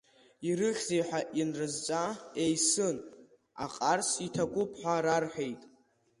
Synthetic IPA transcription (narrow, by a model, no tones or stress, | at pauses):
iɾɨχʲzejħʷaʔinrɨzt͡sʷʼaejsɨn | a̰qʼarsitʰaɡʷʼʊpʰħʷᶣaɾarħʷᶣejtʼ